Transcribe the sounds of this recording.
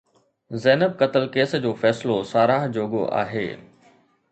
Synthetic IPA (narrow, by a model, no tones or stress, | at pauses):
zɛːnəb̚kɐt̪əlkeːsd͡ʑoːfɛːsɪlosaːɾaːɦd͡ʑoːɡo̰ʔa̰ːɦḛː